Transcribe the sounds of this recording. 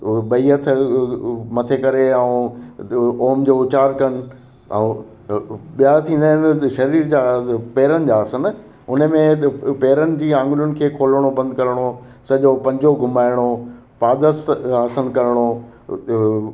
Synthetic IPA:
ɓɐiət̪ʰ | mɐt̪ʰekɐɾeaũ | oːmd͡ʑoːʊt͡ɕaːɾkɐn̆̃ː | ɓijat̪ʰĩːn̆d̪aːnʃɐɾiːɾd͡ʑaːpeːɾənɪ̆d͡ʑaːsən | ʊnəmẽpeːɾənɪ̆d͡ʑiːãːŋɡlʊnɪ̆kʰeːkʰoːlɽ̃obɐ̃nd̪ʱkɐɾɪɽ̃o | sɐʄopɐ̃ɲd͡ʑoɡʱʊmaːɪɽ̃o | paːd̪əst̪aːsənkɐɾɽ̃o

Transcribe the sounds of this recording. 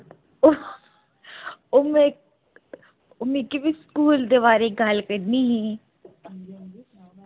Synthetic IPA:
ʊme | ʊmẽkibʱiskuːld̪eʋaːɾeɡʱalkəɾniɦẽ

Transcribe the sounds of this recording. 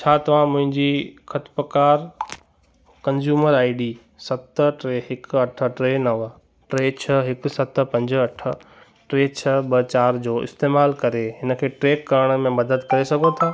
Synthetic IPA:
t͡ɕʰaːt̪ɐʋ̤ãmʊ̃ɦɪ̃ɲd͡ʑikʰɐt̪pəkaːɾ | kɐ̃nzjuːməɾaːɪɖiː | sɐt̪ʈɾeːɦɪkɐʈʰə̆ʈɾeːnɐʋ | ʈɾeːt͡ɕʰɐɦɪksɐt̪̆pɐ̃ɲd͡ʑɐʈʰə̆ | ʈɾeːt͡ɕʰɐbɐt͡ɕaːɾd͡ʑoːɪ̰st̪eːmaːlkɐɾeɦɪnəkʰeːʈɾeːkːɐɾəɽ̃mẽmɐd̪əd̪kɐɾesɐɡʱot̪ʰaː

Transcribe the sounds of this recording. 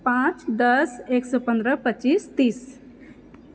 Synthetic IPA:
pãt͡ʃd̪əseksəpə̃nd̪ɾəpət͡ʃist̪iːs

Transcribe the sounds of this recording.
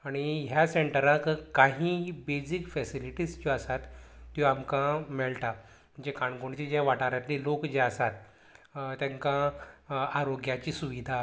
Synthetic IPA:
aɽ̃iɦjaseɳʈəɾãkkaɦĩbed͡zikfɛsiliʈiːst͡ɕɔəsat̪ːjoamkãmɛɭʈ̪a | m̤əɳd͡zekaɳɡoɳt͡ɕid͡ʑaʋaʈaɾjat̪lilokd͡ʑeəsat̪ | t̪ãŋkã | aɾoɡjat͡ɕiːsuʋid̪ʱa

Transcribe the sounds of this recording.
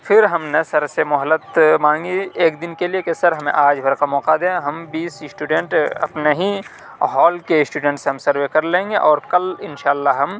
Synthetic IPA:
fʰɪɾɦɐmnesɐɾsemʊɦəlːət̪mãːŋɡieːkd̪ɪnkeliekesɐɾɦɐmḛ̃ʔaːd͡ʒbʱɐɾkamɔːqad̪eːɦɐmbiːssʈuɖẽɳʈɐ̰pneɦĩ | ɦɔːlkeɪsʈuːɖẽːɳʈseɦɐ̃msɐɾʋekɐɾlẽːŋɡeʔɔːɾkɐlɪnʃaːlːaɦɐm

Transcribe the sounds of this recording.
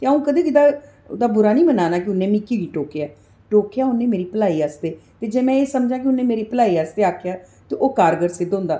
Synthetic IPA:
t̪eːaũːkəd̪eːkɪd̪aː | d̪aːbʊɾaːnĩːmənaːnaːk̬ɪʊnːẽːmikːiːɡiːʈoːkejaː | ʈoːkejaːʊnːẽːmeːɾiːpəlaːiːaːst̪eːt̪eːd͡ʒeːmɛ̃ːeːsəmd͡ʒãːk̬ɪʊnːẽːmeːɾiːpəlaːiːaːst̪eːaːkʰːjaː | t̪eːʔoːkaːɾɡəɾsɪd̪ʊ̃nd̪aː

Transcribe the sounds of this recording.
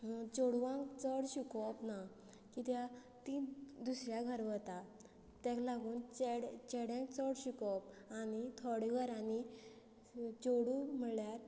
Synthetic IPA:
t͡ɕoɽuʋãkt͡səɽɕikɔpna | kit̪ja | t̪id̪usɾjaɡʱəɾʋət̪a | t̪ɛ̃klaɡuːnt͡ɕɛɽt͡ɕɛɽjãkt͡sɔɽɕikɔpanit̪ʰɔɽiʋəɾani | t͡ɕoɽum̤əɭljaɾ

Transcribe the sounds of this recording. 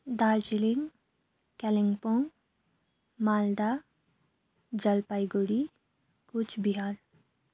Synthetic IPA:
d̪aːɾd͡ʒilɪŋ | kɛlɪ̃ŋɡpõŋ | maːld̪a | d͡ʒɐlpaːiɡoɽi | kʊt͡ʃʰbiɦaːɾ

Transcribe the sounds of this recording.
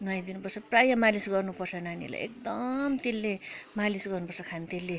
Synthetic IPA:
nʌjd̪inupʌrt͡sʰʌprajʌmalisɡʌrnupʌrt͡sʰʌnanḭla̰jʔḛk̚d̪ʌmt̪elːemalisɡʌrnupʌrt͡sʰʌkʰanit̪elːe

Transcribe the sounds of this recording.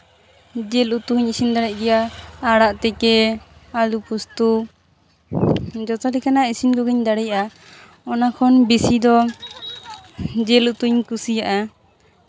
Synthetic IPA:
d͡ʒɛlut̪uɲisind̪aɽɛc̚ɡɛjaːɽaʔt̪ɛkɛalupust̪u | d͡ʒɔt̪alikanaisinkɔɡiɲd̪aɽɛja | ɔnakʰɔnbisid̪ɔ | d͡ʒɛlut̪uɲkusijaʔa

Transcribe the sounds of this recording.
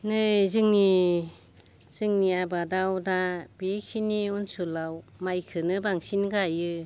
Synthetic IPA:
nɯzɯŋni | z̥ɯŋniabadawdab̥ikʰiniunsulawmajkʰɯnɯbaŋsinɡajɯ

